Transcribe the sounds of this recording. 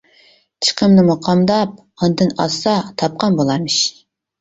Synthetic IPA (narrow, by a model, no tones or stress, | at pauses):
t͡ʃʰə̥qʰəmnɨmɑqʰɑmd̪ɑp̚ | ɑnd̪ɨnɑ̰sɑt̪ʰɑp̚qʰɑnbolˠɑmɨʃ